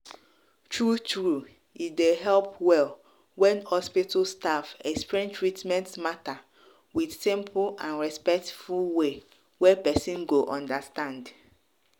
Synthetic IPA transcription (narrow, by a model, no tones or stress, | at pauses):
tɹutɹu | itdeɦɛlpwɛl | wɛ̃nhɔspitʰostafɛksplɛ̃ntʰɹitmɛ̃ntmata | wid̥sĩmpʰlãnɹɛspɛk̚tfulwe | wɛpɛsĩnɡoʔɔ̃ndəstãnd